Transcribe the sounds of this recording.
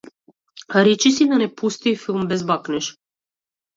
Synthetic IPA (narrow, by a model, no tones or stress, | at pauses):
ɾɛt͡ʃisid̪anɛpʰust̪ifilˠmbɛzbaknɛʃ